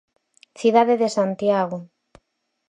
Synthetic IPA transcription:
θiðaðeðesant̪jaɣo

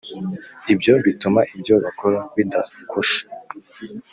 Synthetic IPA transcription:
ibjo̞βitumaʔibjo̞βakoɾaβidakʰoʃḁ

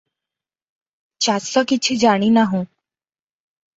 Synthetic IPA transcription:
t͡ɕasɔkit͡ɕʰiːd͡ʑaɽ̃iːnaɦũ

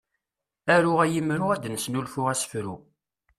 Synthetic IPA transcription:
æɾʊʁæjəmɾuæd̪nəsnulfʊʁæsə̥fɾṵ

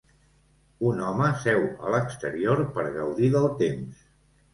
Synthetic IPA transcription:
unɔməsɛwə̰ləkst̪əɾioɾpəɾɣəwðiðəlˠt̪ems

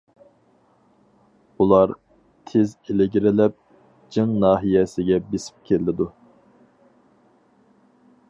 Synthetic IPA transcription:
ulˠɑɾ | t̪ʰezelɪɡʲiɾɪlɛp̚ | d͡ʒɨŋnɑːɦijɛsɪɡʲɛbesi̥p̚kʲʰelɪd̪u

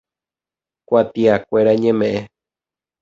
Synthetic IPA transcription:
kʷat̪iakʷeɾaɲẽmẽʔẽ

